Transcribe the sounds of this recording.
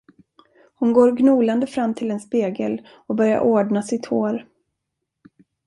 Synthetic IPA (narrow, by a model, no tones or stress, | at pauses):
hʊnɡoːɾɡnuːland̪əfɾamːt̪ʰɪlɛnspeːɡəl | ɔbœɾja̰ɾʔoːɖnasɪt̪hoːɾ